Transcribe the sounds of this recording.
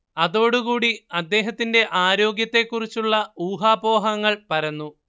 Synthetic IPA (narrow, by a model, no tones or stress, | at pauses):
ɐðo̞ːɽukuːɽiɐd̪ːe̞ːɦɐt̪ːinde̞ʔaːɾo̞ːɡjɐt̪ːe̞kːurit͡ɕːuɭːɐuːɦaːbo̞ːɦɐŋːɐɭpɐɾɐnːu